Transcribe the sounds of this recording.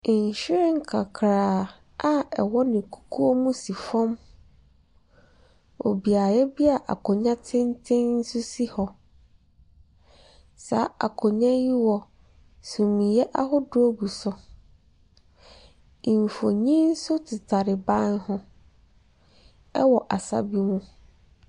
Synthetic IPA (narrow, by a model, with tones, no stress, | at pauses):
ɲ˨ɕᶣɪ˦ɾɪ̃˦ŋ̩˦kʰa˨kʰɾaː˨ | a˦ɛ̰˨wɔ˦nɪ̃˨kʰu̥˨kʰu˦o˦mũ˦si˨fɔ̃˦m | o̰˨bi˨a˨jɛ˦bi˦a˨ʔa̰˨kʰʊ̃˨ɲã˦tʰɪ̃˦n˦tʰɪ̃˦nn̩˦sʊ˦si˦hɔ˨ | sa˨˦a̰˨kʰʊ̃˨ɲã˦ji˦wɔ˨ | sũ˨mĩ˨jɛ˦ʔa˦ɦʊ˦dʊ˦o˦bu˨sɔ˦ | ĩ˨m˨fo˨ɲĩ˦n̩˦sʊ˦tʰɪ˨tʰa˨ɾɪ˨bã˦nhʊ̃˦ | ɛ̰˦wɔ˨ʔa˨sa̰˦bi˦mũ˦